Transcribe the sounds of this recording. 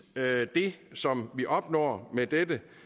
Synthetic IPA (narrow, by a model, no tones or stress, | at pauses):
d̥e̝sɒ̽mʋiʔɒ̽b̥nɒ̰ːmed̥edə